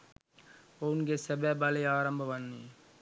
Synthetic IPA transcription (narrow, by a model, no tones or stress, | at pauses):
ounɡesebɛːbɐlejaːɾɐmbʱɐʋɐnːi